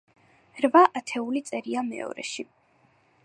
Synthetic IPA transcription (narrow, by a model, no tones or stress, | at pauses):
ɾvaʔat̪ʰɛulit̪sʼɛɾiamɛ̰ɔ̰ɾɛ̰ʃi